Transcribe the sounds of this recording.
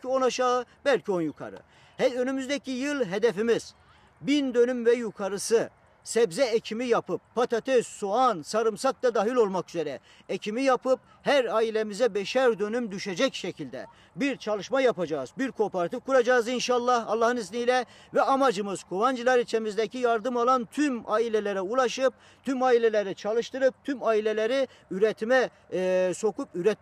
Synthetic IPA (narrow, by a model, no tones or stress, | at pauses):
io̞naʃaɯbɛlʲcʰio̞njukʰa̰ɾɯ̰ | hɛønymyzd̪ɛcʰijɯlˠɦed̪efimiz̥ | bind̪ø̞nymvɛjukʰaɾɯsɯ | sɛbzɛecʰimijapʰɯpːat̪ʰat̪ʰesːuansaɾɯmsak̚t̪ad̪aɦilʲo̞lˠmakyzeɾɛ | ecʰimijapʰɯp̚ | hæɾaːilʲemizɛbɛʃæɾd̪ø̞nymd̪yʃed͡ʒɛcʃecʰilʲd̪ɛ̰ | biɾt͡ʃʰalˠɯʃmajapad͡ʒaːzbiɾkʰoːpoɾat̪ifkuɾad͡ʒaːzinʃaːlˠːahːlˠːaɦɯniznijlʲɛ | vɛamad͡ʒɯmɯz̥kʰovand͡ʒɯlˠaɾit͡ʃʰemizd̪ɛcʰijaɾd̪ɯmalˠant̪ʰymailʲelʲeɾɛulˠaʃɯp̚ | t̪ʰymaːilʲelʲeɾɛt͡ʃʰalˠɯʃt̪ʰɯɾɯp̚t̪ʰymaːilʲelʲeɾi | yɾɛt̪ʰimɛ | so̞kupyɾɛt̪̚